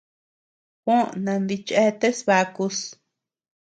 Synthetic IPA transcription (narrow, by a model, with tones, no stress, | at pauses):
kʷõ˦ʔnã˧nd̪i˧t͡ʃe˦t̪e˦sβa˧ku˧s